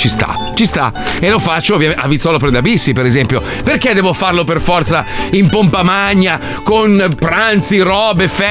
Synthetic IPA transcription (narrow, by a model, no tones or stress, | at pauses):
t͡ʃist̪a̰t͡ʃist̪a̰elofat͡ʃːovjamavːit̪sːɔlop̬ɾed̪abisːipeɾezɛmpjo | perked̪ɛːvofarloperfɔrt̪saimpompamaɲːa | konpɾant̪siɾɔːbefɛ